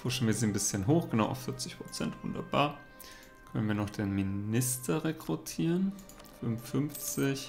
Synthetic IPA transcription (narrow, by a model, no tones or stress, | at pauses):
foːɐʃtɛln̩viːɐzɪnnbɪsçənɦoːxɡ̥ənaʊʔaʊfɪɐt͡sɪçpʁ̥ot͡sɛntv̥ʊ̰ndɐ̰baːɐ | kʰœnənviːɐnɔχd̥eːnminɪstɐʁekʁ̥utʰiːʁən | fʏmfʏnft͡sɪç